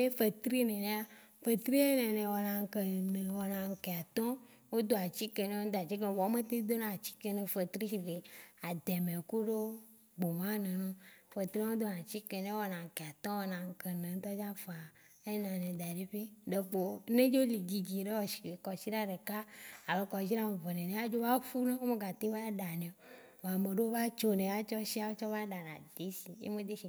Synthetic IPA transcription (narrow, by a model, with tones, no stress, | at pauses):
e˦fe˨t̪ɾi˦nẽ˨nẽ˦a˦ | fe˨t̪ɾi˦e˦nɛ̃˨nẽ˨wɔ˨nã˨ŋ̩˨ke˨nẽ˨wɔ˨nã˨ŋ̩˨ke˨a˨t̪ɔ̃˦ | wo˦d̪o˦a˨t͡ɕi˦ke˨nẽ˨o˦d̪o˦˨a˨t͡ɕi˦kwɔ˨˦mẽ˦t̪e˦d̪o˦nã˨t͡ɕi̥˦ke˦nẽ˨fe˨t̪ɾi˦i˨ɖe˨a˨d̪ɛ˨mẽ˨ku˦ɖo˦ | ɡ͡bo˨mã˦nẽ˨nõ˦fe˨t̪ɾi˦o˦d̪o˦nã˨t͡ɕi˦ke˨nẽ˦wɔ˨nã˨ŋ̩˨ke˨a˨t̪ɔ̃˦wɔ˦nã˨ŋ̩˨ke˨nẽ˨˦t̪ɔ˦d͡ʒa˦fa˨ | e˦nã˨nẽ˨d̪a˨ɖe˦ɸe˦ɖe˨k͡po˨nẽ˦d͡ʒo˦li˨d͡ʑi˨d͡ʑi˨ɖe˦wɔ˨ʃi̥˨ke˨kɔ˨si˦ɖa˦ɖe˨ka˦a˨le˦kɔ˨d͡ʒi˦ɾa˦me˨ve˨nẽ˨nẽ˨a˦d͡ʒo˦va˦fu˦nẽ˦wo˦me˦ɡa˨t̪ẽ˦va˦ɖa˨nẽ˨ | wo˨a˨me˨ɖe˦o˦va˦t͡ʃo˦nẽ˨a˦t͡ʃɔ˦ʃi˦a˨wo˦t͡ʃɔ˦va˦ɖa˨nã˨d̪e˨˦si˨jḛ˦mẽ˦d̪e˦ʃi˨